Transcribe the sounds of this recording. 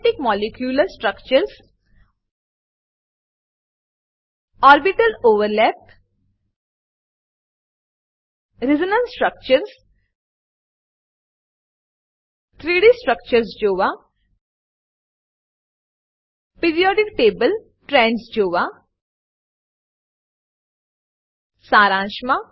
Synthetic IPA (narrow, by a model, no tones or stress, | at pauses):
ʈɪkmɔːlɪkjuːləɾsʈɾəkt͡ʃəɾs | ɔːɾbɪʈəloːʋəɾlɛːp̚ | ɾɪzənə̃nsʈɾək̚t͡ʃəɾs | t̪ʰɾiːɽisʈɾək̚t͡ʃəɾsd͡ʒoːʋa | piɾijɔːɖɪk̚ʈeːbəl | ʈɾɛ̃ːɳɖsd͡ʒoːʋa | saːɾaːʃma